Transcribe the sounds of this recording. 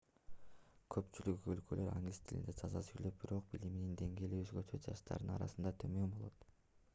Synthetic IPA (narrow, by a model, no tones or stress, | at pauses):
kʰøpt͡ʃylykølkølʔø̞ɾa̰ŋɡlʲist̪ʰilḭnd̪et̪ʰɑzɑsyjløp̚biɾo̞q̚biliminind̪e̞ŋɡʲe̞ːliøzɡøt͡ʃøt̪d͡ʒɑʃt̪ʰɑ̰ɾd̪ɯnɑ̰ɾɑ̰sɯnd̪ɑt̪ʰømømbo̞lˠo̞̰t̪